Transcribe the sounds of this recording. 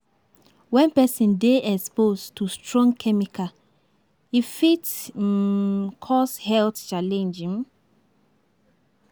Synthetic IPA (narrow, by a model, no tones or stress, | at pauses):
wɛ̃npɛsĩndeʔɛkspostustɹɔ̃ŋɡkʰɛmika | ifits | kʰɔshɛltt͡ʃalɛ̃nd͡ʒĩn